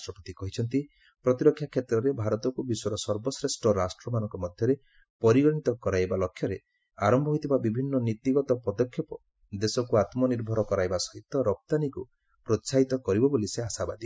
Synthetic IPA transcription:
sʈɾɔpɔt̪ikɔɦit͡ʃʰɔnt̪i | pɾɔt̪iɾɔkʰːjakʰjet̪ɾɔɾebʱaɾɔt̪ɔkubisɔɾɔsɔɾbɔsɾesʈɔɾasʈɾɔmanɔŋkɔmɔd̪ʱjɔɾe | pɔɾiɡɔnit̪ɔkɔɾajbalɔkʰːjɔɾe | aɾɔmbʱɔɦojt̪ʰibabibʱinːɔnit̪iɡɔt̪ɔpɔd̪ɔkʰjɔpɔ | d̪esɔkuat̪mɔniɾbʱɔɾɔkɔɾajbasɔɦit̪ːɔɾɔp̚t̪aniku | pɾɔtsaɦit̪ɔkɔɾibɔboliseasaba̰d̪i

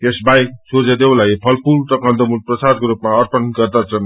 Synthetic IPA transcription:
esbajsod͡zʌd̪ewlajpʰʌlpult̪ʌkand̪ʌmulprʌsad̪kɾupmaʌrpʌnɡʌrd̪at͡sʰʌn

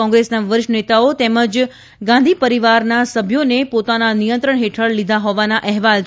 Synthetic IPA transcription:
ɔ̃ŋɡɾesnaʋəɾʃənet̪aot̪eməd͡ʒ | ɡãnd̪ʱipəɾiʋaɾnasəbʱjonepot̪ananijə̃nt̪ɾəɳ̃ɦeʈʰəɭlid̪ʱaɦoʋanaʔɛɦʋal

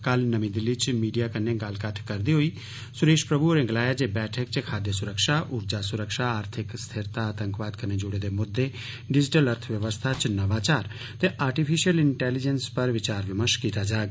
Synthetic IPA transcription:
kəlnəmĩːd̪ɪlːiːt͡ʃmiːɖijaːkəneːɡəlkəʈʰkəɾd̪iːɦoːiː | sʊɾeːʃpɾəbuɾɪ̃ŋɡlaːjaːd͡ʒeːbɛːʈʰək̚t͡ʃkʰaːd̪jesʊɾəkʃaːʔʊɾd͡ʒaːsʊɾəkʃaːaːɾt̪ʰɪkst̪ʰɪɾt̪aaːt̪ə̃ŋkʋaːd̪kəneːd͡ʒʊɽeːd̪eːmʊd̪ːeː | ɖɪd͡ʒɪʈələɾt̪ʰʋjəʋəst̪ʰaːt͡ʃnəʋaːt͡ʃaːɾ | t̪eːʔaːɾʈipʰɪʃijəlɪɳʈɛːlɪd͡ʒənspəɾʋɪt͡ʃaːɾʋəməʃkiːt̪aːd͡ʒaːɡ

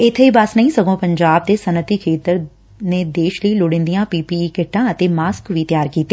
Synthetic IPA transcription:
ɪt̪ʰeibaːsnɐɦĩsɐɡõpɐ̃ɲd͡ʒaːb̚d̪esɐnət̪ikʰeːt̪əɾ | nẽd̪eːʃliilʊɽẽːnd̪ijãpiːpiːkɪʈʰːãɐt̪emaːskʋit̪jaːɾkiːt̪ːeː

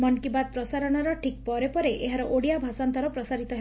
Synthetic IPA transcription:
mɔnkibad̪̚pɾɔsaɾɔɽ̃aɾɔʈʰik̚pɔɾepɔɾeʔeɦaɾɔʔoɽijabʱasɔnt̪ɔɾɔpɾɔsaɾit̪ɔɦe

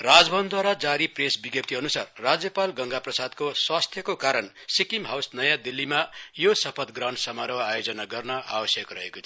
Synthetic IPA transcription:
rad͡zbʱʌnd̪ʱwaɾad͡zaɾipresbiɡjʌp̚t̪ʰiʌnusarːad͡zjʌpalɡʌŋɡaprʌsad̪koswast̪ʰjʌkokaɾʌn | sikimɦawsnʌjãd̪ilːimajosʌpʰʌt̪ɡrawnsʌmaɾʌwajod͡zʌnaɡʌrnʌʔa̰bʌsjʌkrʌɦekot̪ʰ

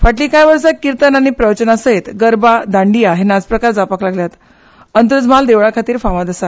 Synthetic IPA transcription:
faʈlĩkajʋəɾsakiɾt̪ənañipɾəʋət͡ɕənasəet̪ɡəɾbad̪aɳɖijaɦenad͡zpɾəkaɾd͡zapaklaɡljat̪ | ənt̪ɾəd͡zmald̪eʋɭakʰat̪iːɾfaʋad̪əsa

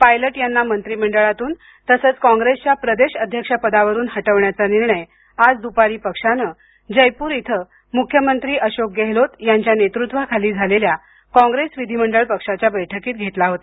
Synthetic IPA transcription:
pajləʈjanːamənt̪ɾiːm̤əɳɖəɭat̪uːn | t̪əsəːt͡skɔ̃ŋɡɾest͡ɕjapɾəd̪eɕəd̪ʱjəkʂapəd̪aʋəɾuːnɦəʈəʋɳjat͡saniɾɳəj | ad͡zd̪upaɾiːpəkʂanə | d͡ʑəjpuːɾit̪ʰə | mukʰjəmənt̪ɾiːʔəɕok̚ɡeɦlot̪jaɲt͡ɕjanet̪ɾut̪ʋakʰaliːd͡zʱalelja | kɔ̃ŋɡɾesʋid̪ʱiməɳɖəɭpəkʂat͡ɕjabəjʈʰəkiːt̪̚ɡʱet̪laɦot̪a

